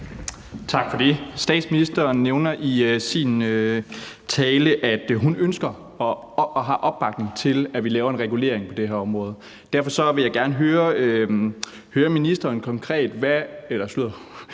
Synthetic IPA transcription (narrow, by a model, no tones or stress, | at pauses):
t͡sʰɑ̈ɡ̥fɒd̥e̝sd̥ɛ̰ːd̥sminisd̥ɐːnːeʊnɐʔisinø | t͡sʰɛːləʔæd̥ɦunønsɡ̥ɐ | ɒ | ɦɑ̰̈ʔɒ̽b̥ːɑ̈ɡ̥ne̝ŋt͡sʰe̝læʋilɛːʊɐe̝nʁɛɡ̥ule̝̰ɐ̰e̝ŋpʰɒ̽d̥e̝ɦæɐɒ̽mʁɔ̽ːð̞̩ˠ | d̥æɐfɒ̽sɒ̽ʋe̝jɑ̈ɪɡ̥æɐnəɦøːɐ | høːɐminisd̥ɐːnkʰɒ̽ŋkʰʁɛ̰ːd̥ʋæelɐslyð̰ˠɐ